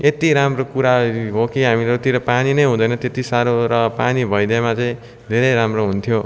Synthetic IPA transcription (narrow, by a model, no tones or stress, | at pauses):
et̪iɾamrokuɾaɦokiɦamilet̪iɾʌpaninʌjɦũd̪ʌjnʌt̪et̪isaɾoɾʌpanibʱʌjd̪emat͡sʌĩ | d̪ʱeɾʌjɾamroɦunt̪ʰjo